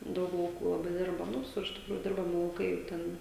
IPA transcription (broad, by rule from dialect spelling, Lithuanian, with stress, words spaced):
ˈdɐʊk lˠɐʊˈkuː lˠɐˈbɐɪ ˈdʲɪrbɐ nʊ ˈʋʲɪsʊr tʲɪkˈruːjuː ˈdʲɪrbɐmʲɪ lˠɐʊˈkɐɪ ˈtʲɛn